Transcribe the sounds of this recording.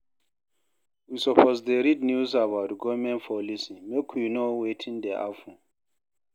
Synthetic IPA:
wisɔpʰɔzdeɾidnjusabawtɡɔvmɛ̃npʰɔlisimekʰujunowetʰĩndeʔa̰fu

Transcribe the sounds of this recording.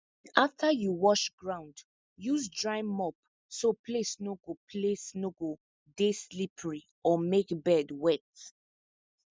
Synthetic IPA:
aftʰajuwɔʃɡɹãʊ̃nd | jusdɹaɪmɔp | sopʰlesnoɡopʰlesnoɡo | deslipʰəɹi | ɔmekbɛdwɛt

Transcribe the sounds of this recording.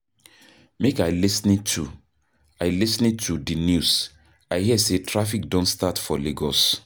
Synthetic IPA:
mekaɪlisnitʰu | aɪlisnitʰudinjus | aɪhiɛsetʰɹafikdɔ̃ntstatfɔleɡɔs

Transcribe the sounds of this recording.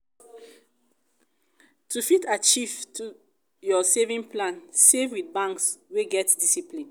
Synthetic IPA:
tufitat͡ʃivtu | jɔsevĩŋplãnsevwiθ̚bãŋksweɡɛtdisiplĩn

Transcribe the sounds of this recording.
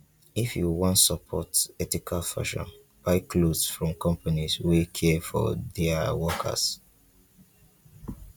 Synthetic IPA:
ifjuwɔ̃ntsəpʰɔtɛtikʰalfa̰ʃɔ̰̃n | b̥aɪkʰlodsfɹɔ̃mkʰɔ̃mpaniswikʰɛfɔ̰ðɛawɔkʰə̰s

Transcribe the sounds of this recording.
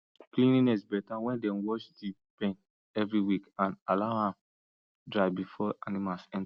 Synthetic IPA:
klĩninɛsbɛtawɛ̃ndɛ̃nwɔʃdi | pẽn | ɛvɹiwikãnalaʊhãm | dɹaɪbifɔʔanimalsɛ̃n

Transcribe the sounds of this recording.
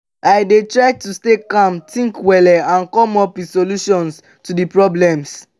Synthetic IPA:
ʔaɪdetɹaɪtustekãmtʰĩŋkwɛlɛãnkɔ̃mɔpwisoluʃɔ̃ns | tudipɹɔblɛ̃ms

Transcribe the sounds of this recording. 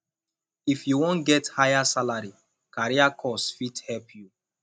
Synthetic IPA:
ifjuwõnɡɛthajasalaɹi | kaɹiakʰɔsfidhɛlpʰju

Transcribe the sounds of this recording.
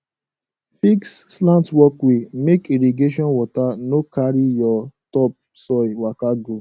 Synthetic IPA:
fikslãntwɔkwemekiɾiɡeʃ̬ɔ̃nwɔtanokaɾijɔtɔp̚ | sɔiwakaɡo

